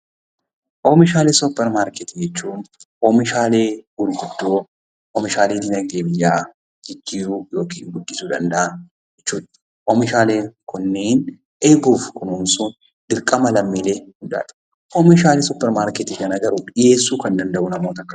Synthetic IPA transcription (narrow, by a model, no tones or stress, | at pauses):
ʔoːmɪʃaːleːsʊpːɛɾmaːɾkɛt̪ɪd͡ʒɛt͡ʃːuːnʔoːmɪʃaːle̞ːɡʊɾɡʊd̪ːoː | ʔɔmɪʃaːleːt̪ɪnɐɡeːmɪjːaː | d͡ʒɪd͡ʒːiːujo̞ːkʰiːŋɡʊdːɪsuːd̪ɐnd̪ɐʔa | d͡ʒɛt͡ʃːuːᶑ̪ | ʔɔmɪʃaːle̞ːkʰʊnːeːn | ʔeːɡuːfkʊnhʊmsʊn | d̪̥ɪɾkʼɐmɐlɐmːiːle̞ːhʊnd̪a̰ːᶑ̪ɐ̥ | ʔɔmɪʃaːleːsʊpːɛɾmaːɾkɛt̪ɪʃɐnɐɡɐɾʊᶑɪje̞ːsːuːkɐnd̪ɐnd̪ɐʔʊnɐmo̞ːt̪ɐkːɐ